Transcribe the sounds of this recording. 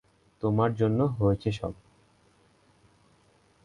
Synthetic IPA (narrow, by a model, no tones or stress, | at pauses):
t̪omaɾd͡ʑonːoɦoet͡ɕʰeʃɔ̰b̚